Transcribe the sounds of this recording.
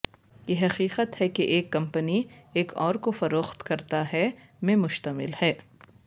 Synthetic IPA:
jeɦɐqiːqət̪hɛkeʔeːkːɐ̃mpənieːkʰɔːɾkofɐɾoːxt̪kɐɾt̪aɦɛmẽmʊʃt̪əmɪ̰lhɛː

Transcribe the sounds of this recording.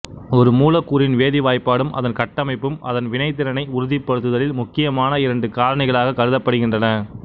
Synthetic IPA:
ɔɾɯmuːlɐkːuːɾɪnʋeːðɪʋaːjpːaːɽɯmʔɐ̰ðɐnkɐʈːɐmɐɪpːɯmɐ̰ðɐnʋɪnɐɪt̪̬ːɪɾɐnɐɪʊɾʊðɪpːɐɽɯt̪̬ːɯðɐlɪlmʊkːɪjɐmaːnɐɪɾɐɳɖɯkaːlɐnɐɪɣɐɭaːɣɐkːɐɾɯðɐpːɐɽɯɣɪndrɐnɐ

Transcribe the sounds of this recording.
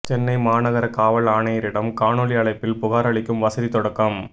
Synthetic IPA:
t͡ʃɛnːɐɪmaːnɐɣɐɾɐkaːʋɐɭaːɳɐjɐɾɪɽɐmkaːɳɔɭɪɐɭɐɪpːɪlpʊɣaːɾɐɭɪkːɯmʋɐsɐðit̪ɔɽɐkːɐm

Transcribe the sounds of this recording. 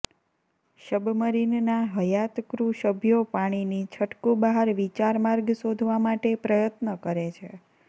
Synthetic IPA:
ʃəbʱməɾinnaɦəjat̪kɾuʃəbʱjopaɽ̃init͡ʃʰəʈkubaɦaɾʋit͡ʃaɾmaɾɡsod̪ʱʋamaʈepɾəjət̪nəkəɾet͡ʃʰe

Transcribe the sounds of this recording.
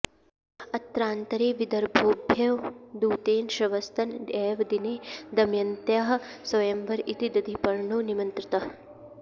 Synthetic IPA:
ɐt̪ɾaːnt̪ɐɾeːʋid̪ɐɾbʱoːbʱjɐʋd̪uːt̪eːnʃɐʋɐst̪ʰɐndeːʋd̪ineːd̪ɐmjɐnt̪jaːɦɐsɐʋjembɐɾit̪id̪ɐd̪ʱipɐɾɳuːnimɐnt̪ɾit̪ɐ

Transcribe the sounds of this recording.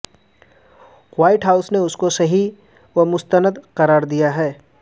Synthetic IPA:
waːɪʈɦaːʊsneʊskosɐɦi | wɐmʊst̪ənəd̪qɐɾaːɾd̪ijaɦɛː

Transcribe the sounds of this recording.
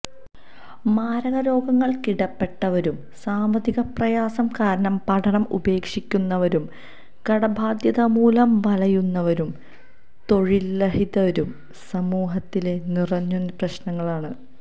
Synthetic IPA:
maːɾɐɣɐɾo̞ːɡɐŋːɐɭkiɽɐpːe̞ʈːɐʋɐɾum | saːmʋɐðiɣɐprɐjaːsɐmkaːɾɐɳɐmpɐʈʰɐɳɐmṵbe̞ːkʂikʲːunːɐʋɐɾum | kɐɽɐbʱaːd̪jɐðɐmuːlɐmʋɐlɐjunːɐʋɐɾum | t̪o̞ɻilːɐhiðɐʋɐɾum | sɐmuːɦɐt̪ːile̞nirɐɲːunːprɐɕnɐŋːɐɭaːɳɨ

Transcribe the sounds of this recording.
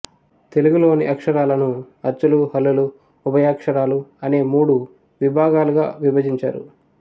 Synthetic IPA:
t̪e̞luɡulo̞ːnḭʔɐkʂɐɾaːlɐnu | ɐɾt͡ʃuluɦɐlːuluː | bɐjaːkʂɐɾaːluɐne̞ːmuːɽu | ʋibʱaːɡaːluɡa̰ːʋibɐd͡ʒiɲt͡ʃa̰ːɾṵ

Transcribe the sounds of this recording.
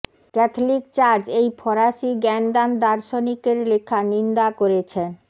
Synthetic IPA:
kɛt̪ʰolik̚t͡ɕaɾd͡ʑejpʰɔɾaʃiɡɛnd̪and̪aɾʃonikeɾlekʰanind̪akoɾet͡ɕʰen

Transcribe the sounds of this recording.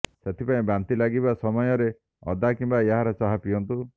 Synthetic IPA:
set̪ʰipaĩbant̪ilaɡibasɔmɔjɔɾe | ɔ̰d̪akimbajaɦaɾɔt͡ʃaɦapijɔnt̪u

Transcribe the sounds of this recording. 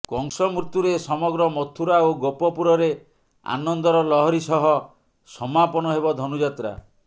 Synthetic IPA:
kɔŋsɔmuɾt̪uɾesɔmɔɡɾɔmɔt̪ʰuɾaoɡopɔpuɾɔɾe | a̰nɔnd̪ɔɾɔlɔɦɔɾisɔɦɔ | sɔmapɔnɔɦebɔd̪ʱɔnud͡ʒat̪ɾa̰

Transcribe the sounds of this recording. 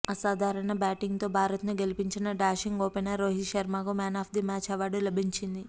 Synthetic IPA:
ɐsaːd̪ʱaːɾɐɳɐbaːʈiŋɡt̪o̞ːbʱaːɾɐt̪nuɡe̞lipiɲt͡ʃinɐɖaːʃiŋɡoːpenaɾoːɦiʃɐɾmaːɡumaːnaːpd̪imaːt͡ʃɐʋaːɽulɐbʱiɲt͡ʃind̪i

